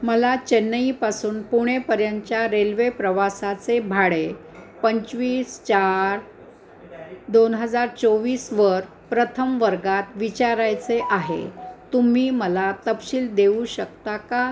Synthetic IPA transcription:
məlat͡ɕenːəipasuːnpuɽ̃epəɾjaɲt͡ɕjaɾelʋepɾəʋasat͡sebʱaɽe | pəɲt͡ɕʋiːst͡ɕaɾ | d̪onɦəd͡zaɾt͡soʋiːsʋəɾ | pɾət̪ʰəmʋəɾɡat̪ʋit͡ɕaɾajt͡seʔaɦḛt̪um̤iːməlat̪əpɕiːld̪euɕək̚t̪aka

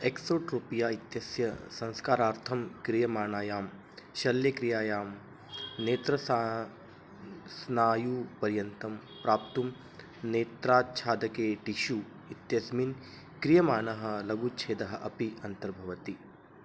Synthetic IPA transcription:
eksoːʈɾupijaːit̪jɐsjɐsɐ̃ŋskaːɾaːɾt̪ʰɐmkɾijɐmaːnaːjaːm | ʃɐljɐkɾijaːjaːm | neːt̪ɾɐs | snaːjuːpɐɾjɐnt̪ɐm | pɾaːp̚t̪um | neːt̪ɾaːt͡ʃʰaːd̪ɐkeːʈiʃuː | it̪jɐsmin | kɾijɐmaːnɐɦɐ̆lɐɡut͡ʃʰeːd̪ɐɦɐʔɐpiɐnt̪ɐɾbʱɐʋɐt̪i

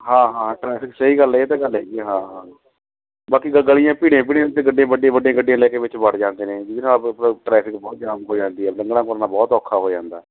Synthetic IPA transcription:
hãːɦãːãʈɾɛːpʰɪksəɦiːɡəlɛːt̪eːɡəlɦɛːɛɦãːɦãː | baːkiɡəɡəɭijãːpiːɽẽːp̬iːɽẽt̪eːɡəɖãːbəɖ̃ːbəɖeãːɡəɖejãːlɛːkeːʋɪt͡ʃbəɽd͡ʒãːnd̪eːnẽːd͡ʒɪʋinaːpːʈɾɛːpʰɪkbɔːt̪̚d͡ʒaːmɦoːd͡ʒãːnd̪iːɛːlə̃ŋɡɽãːkʊɾnaːbɔːt̪ɔːkʰːaːɦoːd͡ʒãːnd̪aː

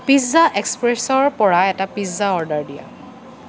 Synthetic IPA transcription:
piszaʔɛkspɹɛsɔɹpɔɹaɛtapiszaɔɹdaɹdija̰

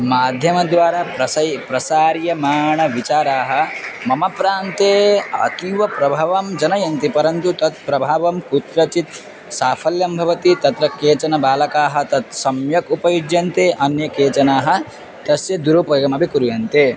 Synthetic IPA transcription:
maːd̪ʱjɐmɐd̪ʋaːɾaːpɾɐsɐjpɾɐsaːɾjɐmaːɳɐʋit͡ʃaːɾaːɦɐ̆mɐmɐpɾaːnt̪eːɐ̰t̪iʋɐpɾɐbʱaːʋɐmd͡ʒɐnɐjɐnt̪ipɐɾɐnt̪ut̪ɐt̪̚pɾɐbʱaːʋɐmkut̪ɾɐt͡ʃit̪ | saːfʰɐljɐmbʱɐʋɐt̪it̪ɐt̪ɾɐkeːt͡ʃɐnɐbaːlɐkaːɦɐ̆t̪ɐt̪̚sɐmjɐkupɐjud͡ʒjɐnt̪eːʔɐnjɐkeːt͡ʃɐnaːɦɐ̆ | t̪ɐsjɐd̪uɾupɐɡɐmɐbʱikuɾujɐnt̪e

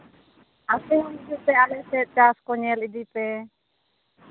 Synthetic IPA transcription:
asimɔnd͡ʒuʔpɛalɛsɛt̪̚t͡ʃaskɔɲɛlid̪ipɛ

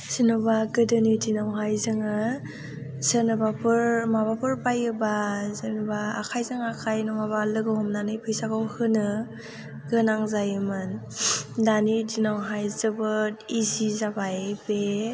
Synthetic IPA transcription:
sinɯbaɡɯdɯnidinawɦajzɯŋɯ | zɯnɯbapɯɾmabapʰɯɾpajɯbazɯnuba̰ːkʰajzɯŋakʰajnɔŋabalɯɡɯɦɔmnanɯjpʰɯjsakawhɯnɯ | ɡɯnaŋzajmɯn | danitinawɦajzɯbɯtizizabajbe

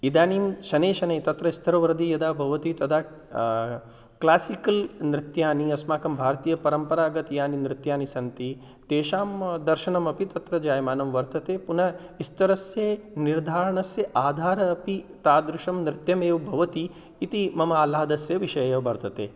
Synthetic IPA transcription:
id̪aːniːmʃɐneːʃɐnɐjt̪ɐt̪ɾɐist̪ʰɐɾɐʋɐɾd̪ijɐd̪aːbʱɐʋɐt̪it̪ɐt̪ʰaː | klaːsikɐlnɾɪt̪jaːniɐsmaːkɐmbʱaːɾt̪iːjɐpɐɾɐmpɐɾaːɡɐt̪ijaːninɾɪt̪jaːnisɐnt̪i | t̪eːʃaːmd̪ɐɾʃɐɳɐmɐpit̪ɐt̪ɾɐd͡ʒaːjmaːnɐmʋɐɾt̪ɐt̪eːpunɐ | ist̪ɐɾɐsjeːniɾd̪ʱaːɾɐɳɐsjɐʔaːd̪ʱaːɾɐːpit̪aːd̪ɾɪʃɐmnɾɪt̪jɐmeːʋbʱɐʋɐt̪iː | t̪imɐmɐaːlaːd̪ɐsjɐʋiʃɐjɐjɐʋbɐɾt̪ʰɐt̪ḛː

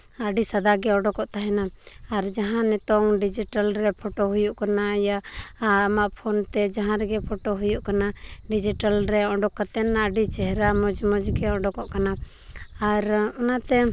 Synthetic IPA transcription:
aɖisad̪aɡɛɔɖɔkɔʔt̪aɦɛna | aɾd͡ʒaɦãnɛt̪ɔŋɖid͡ʒiʈalɾɛpʰɔʈoɦujuʔkanaja | maʔpʰont̪ɛd͡ʒaɦãɾɛɡɛpʰɔʈoɦujuʔkanaɖid͡ʒiʈalɾɛɔɖɔkːat̪ɛnaəɖit͡ʃɛɦɛɾamɔd͡ʒmɔd͡ʒɡɛɔ̃ɖɔkɔʔkana | aɾɔnat̪ɛ

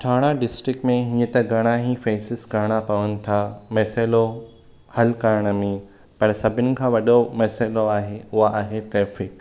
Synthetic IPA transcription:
ʈʰaːɽ̃aɖɪsʈɾɪkmẽɦɪ̃ɲə̃t̪ɐɡʱɐɽ̃aɦifeːsɪsɡaɽ̃apɐʋənɪ̆t̪ʰaːmɛːselo | hɐlkaɾɽ̃əmẽ | pɐɽ̃sɐbʱɪnɪ̆kʰãːʋɐɗomɛːseːloaːɦeʊɦaaːɦeʈɾeːfɪk

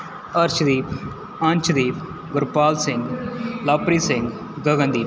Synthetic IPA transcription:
ɐɾt͡ʃʰd̪iːp | ɐnʲt͡ʃʰd̪iːp | ɡʊɾpaːlsɪ̃ŋɡlaːpɾiːsɪ̃ŋɡ | ɡəɡə̃nd̪iːp

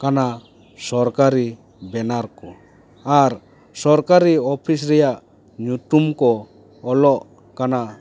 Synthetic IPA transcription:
kana | sɔɾkaɾi | bɛnaɾkɔ | aɾ | sɔɾkaɾiɔpʰis̬ɾɛjaʔ | ɲutumkɔː | lɔʔ | kana

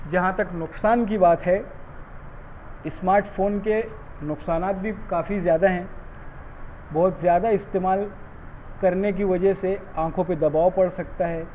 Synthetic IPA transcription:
d͡ʒɐɦãt̪ɐknʊksaːnk̬ibaːt̪ɦɛ | ɪsmaːɾʈfʰoːnke | nʊksaːnaːt̪̚bʱikaːfizjaːd̪aɦɛ̃ | bɔːʊt̪zjaːd̪aɪst̪eːmaːl | kɐɾnek̬iʋɐd͡ʒɛɦseãːkʰõp̬ed̪ɐbaːwpɐɽsɐk̚t̪aɦɛː

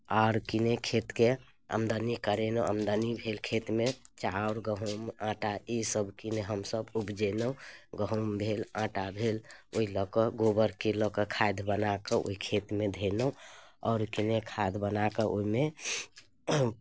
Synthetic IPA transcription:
aɾkinekʰet̪ke | ə̰md̪anikəɾenəəmd̪ənibʱelkʰet̪met͡ʃauɾɡəɦumãʈaisəbʱkineɦəmsəbubd͡ʒenəũɡəɦumbʱelãʈabʱeloilɔkəɡobəɾkelɔkəkʰajd̪ʱbənakəʔo̰ikʰet̪med̪ʱenəũɔ̰ːɾkinekʰad̪ʱbənakəʔoime

